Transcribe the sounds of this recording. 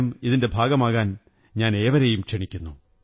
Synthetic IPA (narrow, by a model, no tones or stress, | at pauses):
miðinde̞bʱaːɡɐmaːɣaːn | ɲaːne̞ːʋɐɾejumʂeɳikʲːunːu